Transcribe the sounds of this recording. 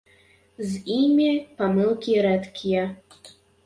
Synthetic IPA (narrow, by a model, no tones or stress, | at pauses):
zimʲipamɨlˠkʲiɾɛt̪kʲʰijɛ